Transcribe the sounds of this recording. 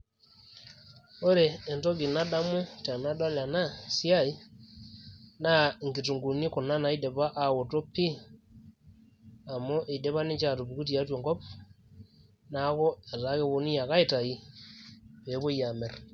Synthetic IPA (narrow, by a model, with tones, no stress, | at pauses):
o˦ɾeː˨nto˦ɡi˨na˦da˦mu˦ta˨na˦da˦la˨na˦sja˦˨i˦ | na˦ŋɡi˨tu˨ŋɡu˨ni˦ko˨na˦na˨i˦de˨βa˦ʔa˨wo˨to˦pːi˦ | a˨mo˦ʔe˨i˨de˦βa˦ni˦t͡ʃa˨to˨βi˨ku˦t̬i˨a˦two˨ŋɡɔ˦p | na˦ko˦a˨ta˦ke˦βo˧ni˦ja˨ka˦i˨ta˨i˦ | βe˨˦βo˦ja˨me˨r